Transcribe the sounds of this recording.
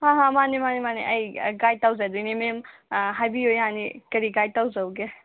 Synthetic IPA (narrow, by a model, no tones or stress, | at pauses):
ɦãɦãmanimanimaniʔɐjɡajtawzadujnimemɦajbiojɦanḭkɐɾiɡajtawzawɡe